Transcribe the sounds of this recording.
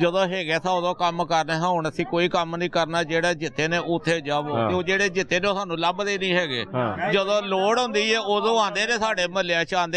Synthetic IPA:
d͡ʒəd̪õːɦɛːɡɛːt̪ʰaːʊd̪õːkəmkəɾneːɦãːoɳəsĩːkoːiːkəmnĩːkəɾnaːd͡ʒeːɽaːd͡ʒɪt̪ːeːneːʔoʊt̪ʰːeːd͡ʒaːboːt̪eːoːd͡ʒeːɽeːd͡ʒɪt̪ːeːneoːsaːnũːləbd̪eːnĩːɦɛːɡḛːd͡ʒəd̪õːloːɽɦʊ̃nd̪iːɛːod̪õːãːnd̪eːɾeːsaːɽeːməleãːt͡ʃãːnd̪

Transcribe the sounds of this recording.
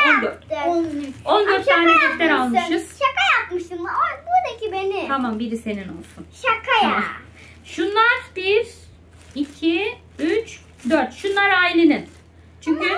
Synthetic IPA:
d̪ | o̞nd̪øɾt̪ːʰaːnɛjøk̪lʲɛɾalˠmʃɯz̥ʃakajapmɯʃt̪ɯmaabud̪acibenɪamambiɾise̞nino̞̰lˠsunʃakʰajaaa | ʃunlˠaɾbiɾ | icʰi | yt͡ʃ | d̪øɾt̪ʃunlˠaɾajlʲinin | t͡ʃʰyɲkʰʲy

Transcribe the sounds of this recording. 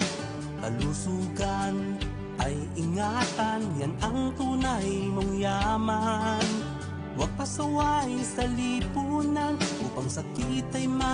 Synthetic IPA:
kɐ̰lusuːɡan | ʔɐj | ɪŋat̪anjanɐŋt̪uːnajmʊŋjaman | wɐɡ̚pɐsɐwahɪsɐlipuːnanʔuːpɐŋsɐkit̪ɐjma

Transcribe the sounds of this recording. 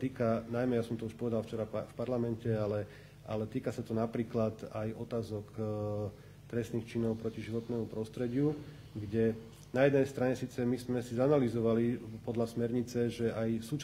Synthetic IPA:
t̪iːkanajmɛjasɔmt̪ɔuʃpɔʋɛd̪alft͡ʃɛɾafpaɾlamɛncɛalɛ | ʔa̰lɛt̪iːkasat̪ɔnapɾiːklat̪ajɔt̪aːzɔk | t̪ɾɛstniːxt͡ʃinɔʊpɾɔciʒiʋɔt̪nɛːmupɾɔst̪ɾɛɟɪu | ɡɟɛ | najɛd̪nɛjst̪ɾaɲɛsiːt͡sɛmizmɛsizanalizɔʋalipɔd̪lasmɛɾɲit͡sɛʒɛajsuːt͡ʃ

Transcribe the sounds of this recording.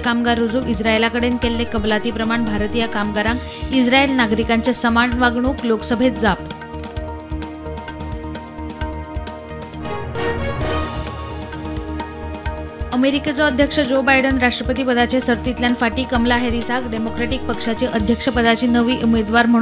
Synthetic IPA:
kamɡaɾud͡zuʔisɾaelakəɽenkelːekəblat̪iːpɾəmaɳbʱaɾt̪ijakamɡaɾãŋk | id͡zɾaelnaɡɾikaɲt͡sesəmaɳʋaɡɳ̃ukloksəbʱet̪̚d͡zap | əmeɾiket͡sɔəd̪ʱjəkʂəd͡ʑobajɖənɾaʂʈɾəpət̪iːpəd̪at͡ɕesəɾt̪it̪ljanfaʈiːkəmlaɦeɾisakɖemokɾeʈik̚pəkʂat͡ɕeʔəd̪ʱjəkʂəpəd̪at͡ɕiːnəʋiːʔumed̪ʋaɾm̤ə

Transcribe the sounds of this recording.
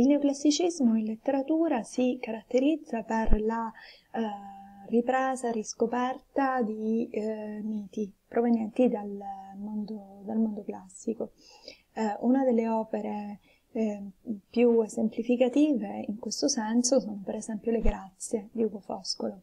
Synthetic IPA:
ilneoklasːit͡ʃizmoinlet̪ːeɾat̪uːɾasikaɾat̪ːeɾid̪zːaperla | ripɾeːzariskopɛrt̪ad̪i | miːt̪ipɾovenjɛnt̪id̪almond̪od̪almond̪oklasːiko | unad̪elːeɔːpeɾe | pjuezemplifikat̪iːveiŋkwest̪osɛnsosoːnopeɾezɛmpjoleɡɾat̪sːjed̪iuɡofɔ̰skolo

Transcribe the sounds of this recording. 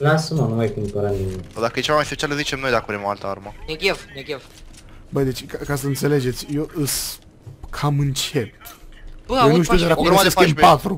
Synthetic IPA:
lasəmanumajkumpoɾaninod̪akəjet͡ʃevamajspet͡ʃialəzit͡ʃemnojd̪akuvɾemoalt̪əaɾməneɡʲevneɡʲev | bəjd̪et͡ʃʲkakasəɨnt̪seled͡ʒe̞t̪sʲjoʔɨs | kʰamɨnt͡ʃep | ojnuʃt̪iud̪eɾakueskempat̪ɾu

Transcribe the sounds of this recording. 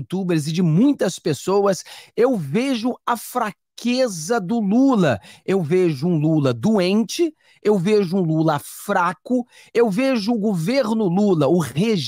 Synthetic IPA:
t̪ubeɾzɪd͡ʒɪmũj̃t̪ɐspesowɐsewveʒʊɐfɾakʰezɐd̪ʊlulɐewveʒʊũlulɐd̪uẽnt͡ʃɪ | ewveʒʊũlulɐfɾakʊ | ewveʒʊːɡoveɾnʊlulɐʊheʒ

